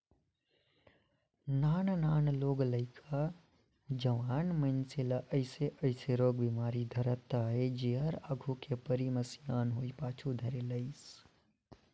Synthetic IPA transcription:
naːnnaːnloːɡləɪkʰa | d͡ʒɐʋaːnmɐ̃nselaʔɐɪseʔɐɪseɾoːɡbimaːɾid̪ʱɐɾət̪aɦɛd͡ʒeɦɐɾaɡʱukepɐɾimɐsjaːnɦoːipaːt͡ʃʰud̪ʱɐɾelɐɪs

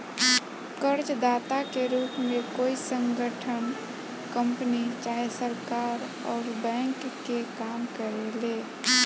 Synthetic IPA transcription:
kəɾt͡ʃd̪aːt̪akeɾuːpmekoːisə̃ŋɡəʈʰən | kə̃mpənit͡ʃaːɦesəɾkaːɾ | ɔːɾbɛ̃ːŋkːekaːmkəɾeleː

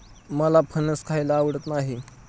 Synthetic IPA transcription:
məlapʰənəskʰajlaːʋəɽət̪naɦi

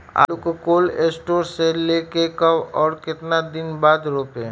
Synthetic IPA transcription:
a̰ːlukokoːleːsʈoːɾseleːkekəʋɔːɾkɪt̪nad̪ɪnbaːd̪ɾoːpe

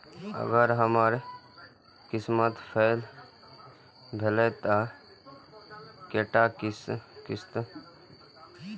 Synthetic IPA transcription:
ə̰ɡəɾɦəmaɾ | kɪsmət̪pʰel | bʱeləjt̪a | keʈakskɪst̪

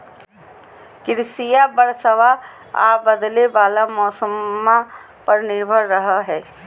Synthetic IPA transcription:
kɪɾsijabəɽsəʋa | a̰ːbəd̪lebaːlamɔːsəmːa | pəɾnɪɾbʱəɾːəɦaɦɛː

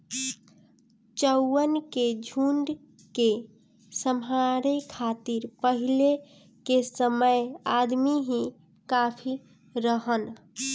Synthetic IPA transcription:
t͡ʃəʊːənked͡ʒʱuɳɖ | ke | səmɦaɾekʰat̪iɾpəɦile | kesəməjad̪miɦĩ | kapʰi | ɾəɦən

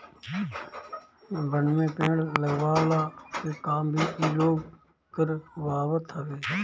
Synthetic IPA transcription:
bʱəɳmẽːpẽːɽləɡʋaːlaːt̪eːkaːmbʱiːkiːloːɡ | kəɾʋaːʋət̪ʰɦəʋeː

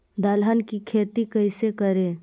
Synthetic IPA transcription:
d̪alɦənkikʰeːt̪ikəɪsekəɾẽː

